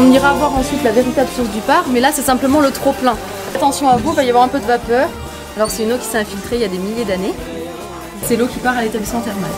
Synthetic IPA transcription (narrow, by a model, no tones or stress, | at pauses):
ɔ̃niʁavwaʁɑ̃sɥit̪laveʁit̪ablsuʁsd̪ypaʁmɛlasɛsɛ̃pləmɑ̃lət̪χoplɛ̃ | at̪ɑ̃sjɔ̃avuvajavwaʁɛ̃pød̪əvapœːʁ | alɔʁsɛynokʲi̥seɛ̃filt̪χeiljad̪emiljed̪ane | sɛlokʲipaʁalet̪ablismɑ̃t̪ɛʁma̰l